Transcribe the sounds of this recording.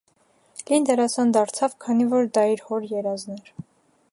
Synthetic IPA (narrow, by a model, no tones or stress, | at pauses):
lind̪ɛɾɑsɑnd̪ɑɾt͡sʰɑvkʰɑnivɔɾd̪ɑiɾhɔɾjɛɾɑznɛɾ